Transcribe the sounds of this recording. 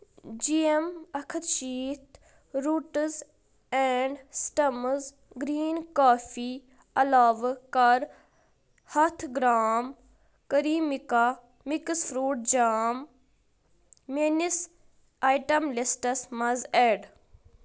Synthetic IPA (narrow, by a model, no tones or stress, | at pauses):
d͡ʒiemɐkʰət̪t͡ʃiːt̪ʰ | ɾuːʈz | eɳɖsʈɐmz | ɡɾiːnkaːfi | ɐlaːʋkɐɾ | hɐt̪ʰɡɾaːm | kəɾiːmika | miksfɾuːʈ̚d͡ʒaːm | enis | aːjʈɐmlisʈɐsmɐzeɖ